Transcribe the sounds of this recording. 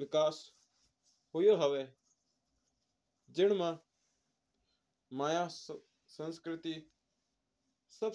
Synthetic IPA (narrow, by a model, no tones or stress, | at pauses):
ʋɪkaːs | ɦʊjoɦəʋeː | d͡ʒɪɽ̃mãː | maːjaː | sə̃nskɾɪt̪i | səb